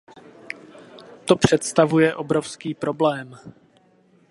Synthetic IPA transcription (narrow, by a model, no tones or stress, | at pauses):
t̪o̞pr̝̥ɛt̪st̪avujɛʔo̞bɾo̞fskiːpɾo̞blɛːm